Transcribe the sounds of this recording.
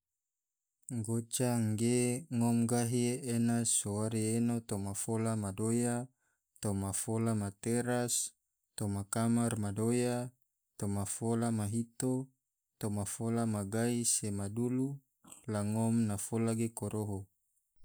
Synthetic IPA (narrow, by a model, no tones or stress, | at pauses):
ɡot͡ʃaŋɡeŋɔmɡaɦienasowaɾienot̪omafolamadoja | t̪omafolamat̪eɾas | t̪omakamarmadoja | t̪omafolamaɦit̪o | t̪omafolamaɡaisemadulu | laŋɔmnafolaɡekoɾʔoɦo